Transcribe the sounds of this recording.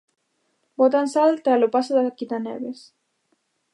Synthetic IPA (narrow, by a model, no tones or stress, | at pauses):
bot̪ansalt̪alopasaðakit̪anḛβes